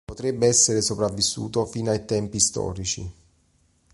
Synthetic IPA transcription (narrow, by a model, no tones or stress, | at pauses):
pot̪ɾɛbːeɛsːeɾesopɾavːisːṵːt̪ofiːnoajt̪ɛmpist̪ɔ̰ːɾit͡ʃḭ